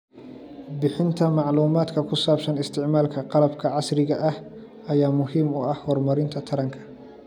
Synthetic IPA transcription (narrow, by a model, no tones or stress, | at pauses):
bɪħɪnt̪ʰɐmɑʕluːmaːd̪kʰɐkʰʊsaːbsɐnɪst̪ʰɪʕmaːlkʰɐqɑlɐbkʰɐʕɑsɾɪɣɐʔɐh | ɐjaːmʊɦiːmʊɐhhɔːrmɐɾɪnt̪ʰɐt̪ʰɐɾɐŋkʰɐ̥